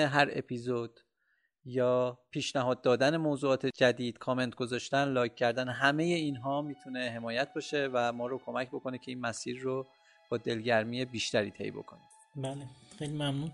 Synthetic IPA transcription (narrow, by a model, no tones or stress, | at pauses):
eɦæɾe̞̰pʰiːzod̪̥ | jɒːpʰiːʃnæɦɒːd̪̚ːɒːd̪æne̞moːzuːɒːt̪ʰed͡ʒæd̪iːd̪̥kʰɒːme̞nt̪̚ʰɡ̥o̞zɒːʃt̪ænlɒːjʰːæɾd̪ænɦæme̞je̞iːnɦɒːmiːt̪ʰune̞ɦe̞mɒːjæt̪̚ʰbɒːʃe̞væmɒːɾokʰo̞mæcʰbo̞ko̞necʰe̞iːnmæsiːɾːo | b̥ɒːd̪e̞lɟæɾmije̞biːʃt̪æɾiːt̪ʰḛjbo̞̰kʰo̞ni | bæːlexejlimæmnuːn